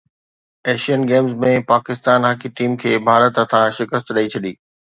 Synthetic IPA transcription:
eːʃiənɡeːmzmẽpaːkɪst̪aːnɦakiʈiːmkʰeːbʱaːɾət̪ət̪ʰãʃɪkəst̪ɗəit͡ɕʰɐɗiː

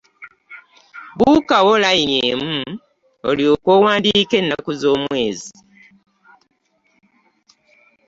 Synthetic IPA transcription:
βukawolainjeːmu | o̰liokwowaːndike̞nːakuzo̞ːmwe̞ːzi

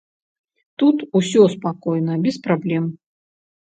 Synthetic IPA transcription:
t̪ut̪usʲɔspakɔjnɐbʲɛspɾablʲɛm

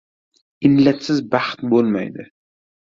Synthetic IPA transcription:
ɪnlat̪sɪzbaχt̪bolˠma̰jd̪ɪ

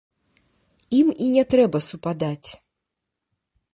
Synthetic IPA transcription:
iminʲɛt̪ɾɛbɐsupad̪at͡sʲ

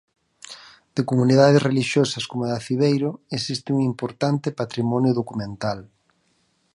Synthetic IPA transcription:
d̪̥ekomuniðaðezreliʃjosaskomaðafiβejɾʊesist̪ɪuŋimpoɾt̪ant̪ɪpat̪ɾimɔnjʊðokumẽnt̪al

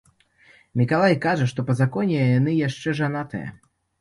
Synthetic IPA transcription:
mʲikalˠajkaʐɐʂt̪ɔpɐzakɔnʲɛjanɨjaʂt͡ʂɛʐanat̪ɨ̰jɐ̰

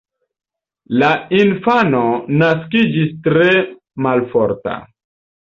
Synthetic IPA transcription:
lainfano̞naskid͡ʒistɾe̞ | malfoɾta̰

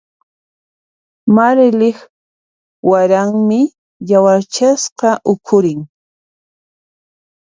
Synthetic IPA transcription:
maɾlɪχ | waɾaŋmɪ | jawaɾt͡ʃasqɑʔʊkʰʊɾɪŋ

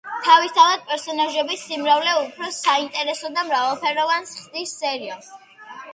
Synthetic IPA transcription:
t̪ʰavist̪ʰavad̪̥̚pʼɛɾsɔnaʒɛbisimɾavlɛupʰɾɔsaint̪ʼɛɾɛsɔd̪amɾavalˠpʰɛɾɔvansχd̪isːɛɾias

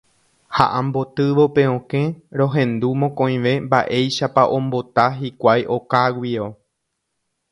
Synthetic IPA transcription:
ha̰ʔãmbo̞t̪ɨʋo̞pe̞õkẽ̞ɾõ̞ɦẽ̞nd̪umõkõ̞j̃ʋe̞mbaʔe̞jʃapaʔõ̞mbo̞t̪aɦikʷajʔo̞kaɡʷio̞

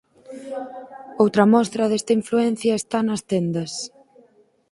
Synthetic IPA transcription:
owt̪ɾɐmɔst̪ɾɐðest̪ɐiɱfluen̟θjɐest̪anɐst̪end̪ɐs

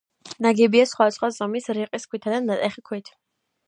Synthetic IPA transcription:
naɡɛbiasχwad̪asχwazɔmisɾiqʼiskʰwit̪ʰad̪anːat̪ʼɛχikʰwit̪ʰ

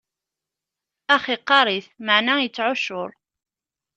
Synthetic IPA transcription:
æχiqːɑɾˤiθmaʕnæjət͡sːʕʊʃʊɾˤ

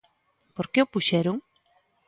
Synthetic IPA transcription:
poɾkeʊpuʃɛɾʊŋ

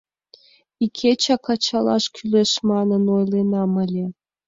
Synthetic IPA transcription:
ikʲʰet͡ɕɑkɑt͡ɕɑlˠɑ̰ʃkʰʲyleʃmɑnənojlenɑməlʲe

